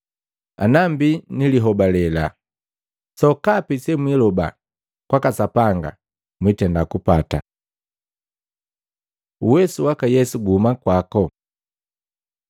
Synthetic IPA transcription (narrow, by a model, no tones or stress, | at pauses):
a̰nambiniliɦɔbalɛla | sɔkapisɛmwilɔba̰ | kwakasapaŋɡa̰ | mwitɛndakupata̰ | uwɛsuwakajɛsuɡumakwakɔ